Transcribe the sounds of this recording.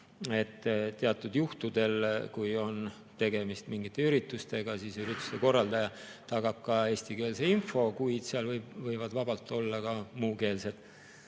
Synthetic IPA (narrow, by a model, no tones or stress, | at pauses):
e̞t̪ːt̪ːeɑt̪ːˑud̪juht̪ud̪̥e̞lkujo̞n | t̪e̞ɡ̥e̞mist̪miŋɡit̪ˑːe̞yɾit̪ːˑust̪e̞ɡ̥ɑsiːsyɾit̪ːu̥st̪eko̞rːɑld̪̥ɑjɑ | t̪ɑɡ̥ɑb̥̚kɑe̞ːsʲt̪ike̞ːlse̞info̞kujd̪̥seɑlvɤjbvɤjvɑd̪vɑb̥ɑlt̪ːˑo̞lːɑkɑmuːke̞ːlse̞d̪̥